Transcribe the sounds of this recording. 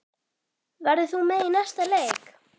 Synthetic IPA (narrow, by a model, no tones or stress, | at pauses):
vaɾðɪθumɛðinast̪aleːjk